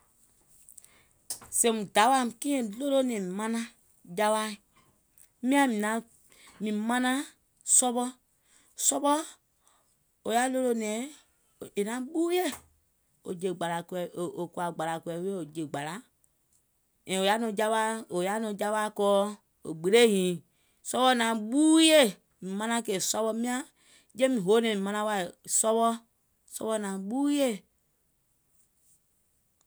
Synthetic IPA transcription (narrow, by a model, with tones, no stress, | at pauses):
sɛ̃˨mũ˨da˨˦wa˦˨kĩ˦ɛ̃˨lo˦lo˦nɛ̃˨i˨mã˧nã˦ | d͡ʒa˧wa˧˦˨ | mĩ˦ã˧mĩ˨nã˨˦ | mĩ˨mã˦nã˦ | sɔ˧ɓɔ˧˦ | sɔ˧˦ɓɔ˦ | o˨ja˦lo˦lo˧nɛ̃˨˦˨ | e˨nã˨˦ɓu˦jɛ˦˨ | o˨d͡ʒə˨ɡ͡ba˨la˨ku˧ɛ˨˦ʔo˨o˨ku˧˦a˨ɡ͡ba˨la˨ku˧ɛ˧˨˦we˦o˨d͡ʒə˨ɡ͡ba˨la˨˦ | ɛ̃˨o˨ja˦nɔ̃˧˨d͡ʒa˦βa˦o˨ja˦nɔ̃˧˨˦d͡ʒa˦ɓa˦kɔː˦ | o̰˨ɡ͡be˨ɾe˦˨ɲĩː˨ | sɔ˧ɓɔ˧˨nã˨ɓuː˦je˦˨ | mĩ˨mã˧nã˧kɛ˨sɔ˦ɓɔ˧mĩ˦ã˦ | d͡ʒẽ˦mĩ˨ɦo˨˦nɛ̃˨ĩ˨mã˧nã˧˦wa˧e˨sɔ˦ɓɔ˦ | sɔ̰˧ɓɔ˧nã˨ɓuː˦je˦˨